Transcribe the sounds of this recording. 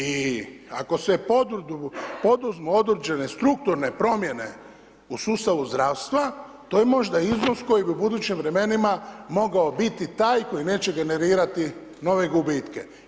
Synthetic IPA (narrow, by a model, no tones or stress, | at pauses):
iako̞sepod̪ɾd̪upo̞d̪uzmoo̞d̪ɾd͡ʒe̞nest̪ɾuk̚t̪uɾne̞pɾo̞mje̞ne̞ | usuːst̪aʋuzd̪ɾaːʋst̪ʋa | t̪ojemo̞ʒd̪aizno̞sko̞jibiubud̪uːt͡ɕimʋɾe̞me̞nimamo̞ɡaobit̪it̪aːjko̞jine̞ːt͡ɕe̞ɡe̞ne̞ɾiːɾat̪i | no̞ʋe̞ɡubit̪ke̞̰